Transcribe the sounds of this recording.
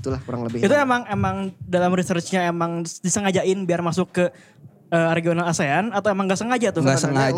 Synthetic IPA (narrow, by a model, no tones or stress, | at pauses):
it̪ulahkuɾa̰ŋləbɪit̪uemaŋemaŋdalamɾisərt͡ʃɲaemaŋdisəŋad͡ʒaɪnbiarmasʊkːə | əɾeɡionalaseanat̪awemaŋɡaʔsəŋad͡ʒat̪ʊɡasəŋa